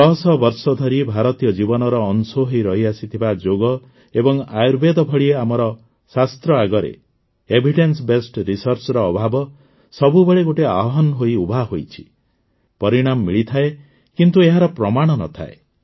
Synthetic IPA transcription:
d̪ɔɦɔsɔbɔɾsɔd̪ʱɔɾibʱaɾɔt̪ijɔd͡ʒibɔnɔɾɔːnsoɦijɾɔɦiasit̪ʰibad͡ʒoɡɔ | ebɔŋajuɾbed̪ɔbʱɔɭieamɔɾɔ | sast̪ɾɔaɡɔɾḛ | ebʱiʈensbesʈɾisɔɾt͡ʃɔɾɔːbʱabɔ | sɔbubeɭeɡoʈeaɦɔɦɔnɦojubʱaɦojt͡ʃʰi̥ | pɔɾiɽ̃amɔːiɭit̪ʰae | kint̪ueɦaɾɔpɾɔmaɽ̃ɔnɔ̰t̪ʰa̰e

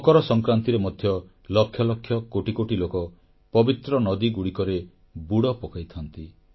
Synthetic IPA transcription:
ɔkɔɾɔsɔŋkɾant̪iɾemɔd̪ʱjɔ | lɔkʰːjɔlɔkʰjɔkoʈikoʈilokɔ | pɔbit̪ɾɔnɔd̪iɡuɽikɔɾe | buɽɔpɔkajt̪ʰɔnt̪i

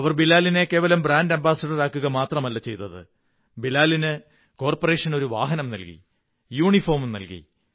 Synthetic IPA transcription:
ɐʋɐrbilaːline̞kːe̞ːʋɐlɐmbraːndɐmbaːsɐɖɐɾaːkːuɣɐmaːt̪rɐmɐlːɐt͡ɕe̞jt̪ːɐðɨ̰ | bilaːlinɨ | ko̞ːrpore̞ːʂɐno̞ɾuʋa̰ːɦɐnɐmnɐlkḭ | juːɳifoːmnɐ̰lkḭ

